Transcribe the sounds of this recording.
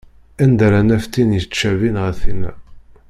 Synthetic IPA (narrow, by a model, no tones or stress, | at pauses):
ænd̪ɾænæft̪injət͡ʃːævinʁæθinæ̰